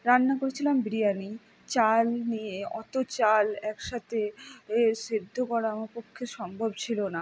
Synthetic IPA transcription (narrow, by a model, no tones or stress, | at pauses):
ɾanːakoɾet͡ɕʰilambɾijani | t͡ɕalnieɔt̪ot͡ɕalɛkʃat̪e | siɾd̪ʱːokɔɾamapokʰːeʃɔmbʱobt͡ɕʰilona